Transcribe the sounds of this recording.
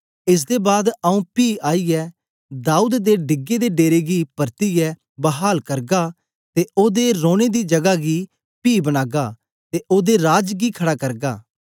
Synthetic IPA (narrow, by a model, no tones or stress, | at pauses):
ɪs̬d̪eːbaːd̪əũːpiːaːiːɛː | d̪aːuːd̪d̪eːɖɪɡeːd̪eːɖeːɾeːɡiːpəɾt̪iːjɛː | bəɦaːlkəɾɡaː | t̪eːʔoːd̪eɾoːɽ̃eːd̪iːd͡ʒɐɡaːɡiː | piːbəñaːɡaː | t̪eːʔoːd̪eːɾaːd͡ʒɡiːkʰəɽaːkəɾɡaː